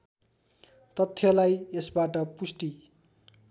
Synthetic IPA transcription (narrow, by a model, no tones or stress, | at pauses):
t̪ʌt̪ʰːjʌlajesbaʈʌpusʈi